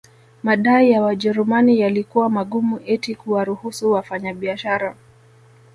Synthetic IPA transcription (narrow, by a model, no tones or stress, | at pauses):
maɗaijawaʄɛɾumanijalikuwamaɠumuʔɛtikuwaɾuhusuwafaɲaɓiaʃaɾa